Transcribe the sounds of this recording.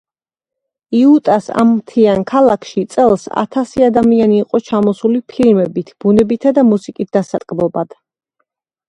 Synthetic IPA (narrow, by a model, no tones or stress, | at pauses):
iut̪ʼasa̰mːt̪ʰiankʰalˠakʰʃit̪sʼɛlˠsa̰t̪ʰasiad̪amianiːqʼɔt͡ʃʰamɔsulipʰilmɛbit̪ʰb̥unɛbit̪ʰad̪amusikʼis̚ʰd̪asat̪ʼkʼbɔbad̪̥